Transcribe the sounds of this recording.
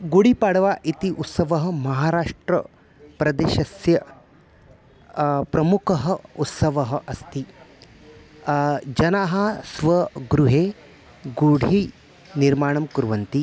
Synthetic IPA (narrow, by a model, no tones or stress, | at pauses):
ɡuɽipaːɽɐʋaːʔit̪iʔut̪sɐʋɐɦɐ̆mɐɦaːɾaːʂʈɾɐ̰ | pɾɐd̪eːʃɐsjɐ | pɾɐmukʰɐɦɐ̆ut̪sɐʋɐɦɐʔɐst̪i | d͡ʒɐnaːɦɐsʋɐɡɾuɦeː | ɡuɽʱi | niɾmaːɳɐmkuɾʋɐnt̪i